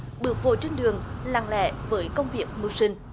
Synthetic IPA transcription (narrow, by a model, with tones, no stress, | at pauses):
ɓɨ˨˩ək̚vo̰˧˨jt͡ɕe˧nɗɨ˨˩əŋla̰ː˧˩ŋlɛ̰˧˨vəː˨˦jkə˧wŋ͡mvi˨˩ək̚mɨ˨˩wsï˧ŋ̟